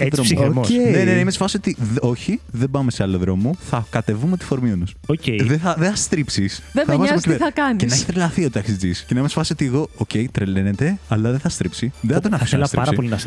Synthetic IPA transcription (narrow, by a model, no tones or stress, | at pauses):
ðomoenenenɐimesfɐsiot̪io̞çiðebɐme̞se̞ɐloðɾo̞moθɐkɐt̪e̞vumet̪i̥fo̞ɾmionusoeðeθɐðeθɐst̪ɾipsisðemɐvɐzmecipeɾɐkɐnicenɐeçi̥t̪ɾelɐθiot̪ɐksid͡ziscenɐimesfɐsio̞t̪ieɣo̞oce̞it̪ɾele̞ne̞t̪e̞ɐlɐðeθɐst̪ɾipsiðeθɐt̪onɐɐselɐsɾpɐɾɐpo̞linɐ